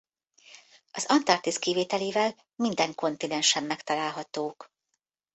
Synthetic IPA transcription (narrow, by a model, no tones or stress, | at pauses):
ɒzɒnt̪ɒrt̪iskiveːt̪ɛleːvɛl | mind̪ɛŋko̞nt̪inɛnʃɛmːɛkt̪ɒlaːlɦɒt̪oːk